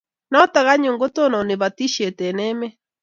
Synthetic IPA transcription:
nɔ˦ta˨ɣa˦ɲoː˨ŋɡo˦to˦nɔ˨ne˨βa˨ti˦ʃɛ˨tɛ˨nɛ˦mɛ˦

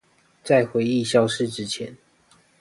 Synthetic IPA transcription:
t͡sa˥˩ɪxwe˧˦ɪi˥˨ɕjɑ˥ʊʂɻ̩˥˨ʈ͡ʂɻ̩˥t͡ɕʰjɛ˧˦n

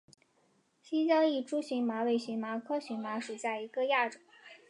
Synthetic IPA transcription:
ɕi˥t͡ɕjɑ˥ʊi˥˩ʈ͡ʂu˥ɕi˧˥ŋma˧˥we˧˥˩ɪɕi˧˥ŋma˧˥kʰɤ˥ɕy˧˥ŋma˧˥ʂu˨˩ɕja˥˩i˧˥ɡə˥˧ja˥˩ʈ͡ʂo˨˩˦

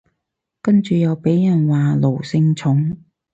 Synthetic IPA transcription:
kɐ˥nt͡ʃy˨jɐ˨˧wpe˨˥jjɐ˨˩nwaː˨lo˨˩wsɪ˧ŋt͡sʰʊ˨˥ŋ

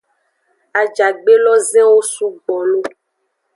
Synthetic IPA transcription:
a˨d͡ʒa˨ɡ͡be˦lɔ˦zɛ̃˦wo˦su˦ɡ͡bɔ˨nũ˦

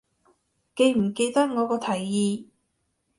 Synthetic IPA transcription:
ke˧jm̩˨˩ke˧jt̪ɐ˥t̚ŋɔː˨˧kɔː˧t̪ʰɐ˨˩jːiː˧

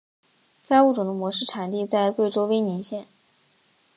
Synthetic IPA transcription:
ka˥ɪu˥˩ʈ͡ʂʊ˨˩d̪ə˦˧mwɔ˧˥ʂɻ̩˥˩ʈ͡ʂʰa˨˩nt̪i˥˧t͡sa˥˧ɪkwe˥˩ɪʈ͡ʂo˥ʊwe˥ɪni˧˥nɕjɛ˥˩n

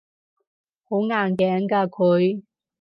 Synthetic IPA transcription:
ho˨˥wŋaː˨˩nkɛː˨˥ŋkaː˧kʰɵ˨˧ɥ

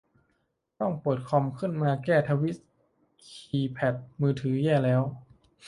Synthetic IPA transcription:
t̪ɔ˥˩ŋpɯ˨˩t̪̚kʰɔ˧mkʰɯ˥˩˨nmaː˧kɛː˧˩t̪ʰa˧wi˦˥t̪̚ | kʰiː˧pʰɛ˨˩t̪̚mɯː˧˩t̪ʰɯː˩˦jɛː˧˩lɛː˦˥w

